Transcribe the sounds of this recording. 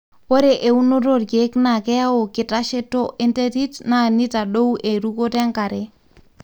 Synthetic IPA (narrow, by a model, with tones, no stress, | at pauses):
po˦ɾe˨ʔe˨u˦no˦ɾo˦ɾke˦kna˨ke˦ja˦wo˨ki˨ta˦ʃe˦to˦ʔi˦nte˦ɾi˦tna˦ni˦ta˨ɗo˦wʔe˨ɾu˦ko˦te˦ŋka˨ɾe